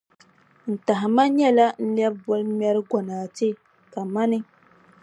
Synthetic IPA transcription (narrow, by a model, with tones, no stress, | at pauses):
n̩˨ta˨ɦɪ˨ma˦ɲɛ˦la˦n̩˦lɛ˦b̚bɔ˦lmɛ˦ɾɪ˦ɡɔ˨naː˨tɪ˦ | ka˨ma˦nɪ˦